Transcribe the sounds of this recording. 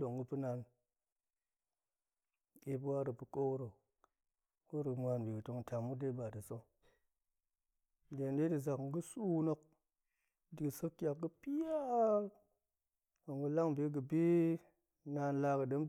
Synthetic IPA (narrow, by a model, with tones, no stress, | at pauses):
do˨ŋɡɨ˦pɨ˦na˨n | e˨pwa˦ɾə˨pɨ˨ko˦kɾo˨ | ɡo˦ɾmʷa˧nbi˨ɡɨ˨to˨ŋ˨ta˨mːu˦de˦ba˨di˨so˦ŋ | de˨nde˦di˨za˨kŋ̩˦ɡɨ˦su˦wno˦k̚ | di˨ɡɨ˨sə˦kːʲa˨kɡə˦pi˦ja˦ | o˨ŋɡə˦la˦ŋbe˦ɡ̬ə˨bi˦ | na˧nla˧kə˨də˨˦m